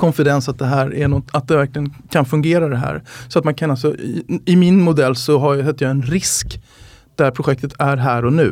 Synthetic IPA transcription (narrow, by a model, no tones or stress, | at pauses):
kʰɔnfɪd̪ɛnsat̪̚d̪ɛɦæːɾænɔt̪at̪̚d̪ɛvæɾklɪɡənkʰanfɵŋɡeːɾad̪ɛɦæ̰ːɾsɔat̪mankʰanalsɔɪmɪnmʊd̪ɛlːsɔɦaɾjsɛt̪ːɾjaɛnɾɪsk | d̪̥æɾpʰɾʊɧɛk̚t̪ət̪ʰæɾɦæːɾɔnʉ̟̰ː